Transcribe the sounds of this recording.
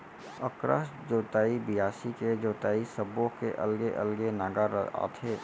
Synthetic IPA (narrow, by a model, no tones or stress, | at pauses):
əkɾə̰ʃd͡ʒoːt̪aːibɪjaːsiked͡ʒoːt̪aːisəbõkeʔə̰lɡeʔəlɡenaːɡaɾa̰ːt̪ʰeː